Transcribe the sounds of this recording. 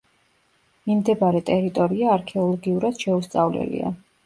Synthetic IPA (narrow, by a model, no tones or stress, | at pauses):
mimd̪ɛbaɾɛt̪ʼɛɾit̪ʼɔɾiaːɾkʰɛɔlˠɔɡiuɾad̪̥ʃɛust̪sʼavlɛ̰lḭa̰